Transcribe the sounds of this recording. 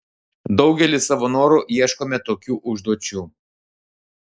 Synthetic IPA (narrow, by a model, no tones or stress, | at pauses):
d̪ɒʊɡʲɛlʲɪsɐʋonoːɾuːʔiɛʃkoːmʲɛt̪oːkʲuːʔʊʒd̪uɔt͡ʃʲuː